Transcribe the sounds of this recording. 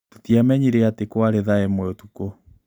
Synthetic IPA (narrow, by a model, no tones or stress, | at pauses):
totiamɛɲiɾeatekwaɾeðaɛmwɛotuko